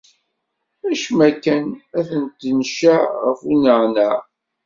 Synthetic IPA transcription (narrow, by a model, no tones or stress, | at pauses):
æʃmækːænæθənt̪nʃæʁəfunəʁnæ